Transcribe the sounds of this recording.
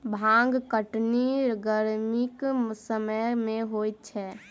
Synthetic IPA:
bʱãŋɡkəʈniɾɡəɾmiksəməjmẽɦojt̪̚t͡ʃʰɛ

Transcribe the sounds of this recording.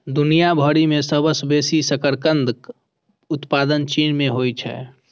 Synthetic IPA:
d̪unijabʱɔɾimesəbəsbesisəkəɾkənd̪ʱk | ʊt̪pad̪ənt͡ʃinmẽɦojt͡ʃʰɛ̰

